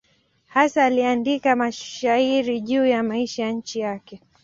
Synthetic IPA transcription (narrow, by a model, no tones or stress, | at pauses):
hasaːliandikamaʃaiɾiʄuːjamaiʃajaɲ̩t͡ʃijakɛ